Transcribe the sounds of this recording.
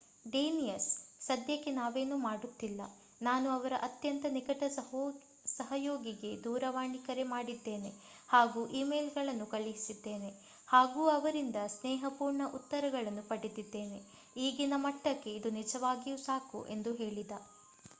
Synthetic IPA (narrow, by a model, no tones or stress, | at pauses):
ɖeːnijɐsːɐd̪jɐkːenaːʋe̞ːnuːmaːɽut̪ːilːɐ̰ | naːnuɐʋɐɾɐʔɐt̪jɐnt̪ɐnikɐʈɐ | sɐɦɐjoːɡiɡe̞d̪uːɾɐʋaːɳikɐɾemaːɽid̪ːe̞ːne̞ | haːɡuːʔiːmejlɡɐɭɐnːukɐɭiɦisid̪ːe̞ːne̞ | haːɡuːɐʋɐɾind̪ɐsneːɦɐpuːɾɳɐʔut̪ːɐɾɐɡɐɭɐnːupɐɽid̪id̪ːe̞ːne̞ | iːɡinɐmɐʈːɐkːe̞id̪unid͡ʒɐʋaːɡijusaːkṵʔe̞̰nd̪uɦe̞ːɭid̪ɐ